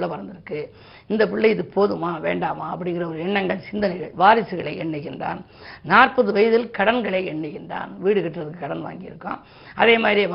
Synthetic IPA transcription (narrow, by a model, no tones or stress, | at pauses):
ɭːɐpɐɾɐnd̪ɪɾɯkːɯ | ɪnd̪ɐpɪɭːɐɪɪðɯpoːðɯmaːʋḛːɳɖaːmaːɐpːɐɽɪnŋɡɪrɐɔɾɯɛɳːɐŋɡɐɭsɪnd̪ɐnɐɪɣɐɭʋaːɾɪsɯɣɐɭɐɪʔɛɳːɐɣɪndra̰ːn | naːrpɐðɯʋɐjɐðɪlkɐɽɐnɡɐɭɐɪɛɳːɯɣɪndra̰ːnʋiːɽɯkɛʈːrɐðɯkːɯkːɐɽɐnʋa̰ːŋɡɪjɪ̰ɾɯkːã̰ːm | ɐ̰ðeːmaːðɾieʋ